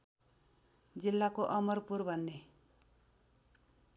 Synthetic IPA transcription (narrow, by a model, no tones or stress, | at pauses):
d͡zilːakoʔʌmʌrpurbʱʌnːe